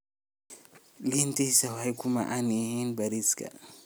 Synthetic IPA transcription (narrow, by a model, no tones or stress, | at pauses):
lintisawajkuma̰ʔanihinbaɾiska̰